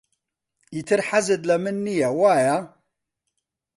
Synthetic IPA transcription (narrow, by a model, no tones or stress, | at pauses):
it̪ʰɨɾħazɨt̪lɐmɨnːijɛwaːja